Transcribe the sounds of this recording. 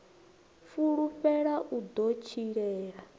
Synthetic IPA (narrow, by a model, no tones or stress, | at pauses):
fuɺupɛɺaʔud̪ot͡ʃʰiɺɛːɺa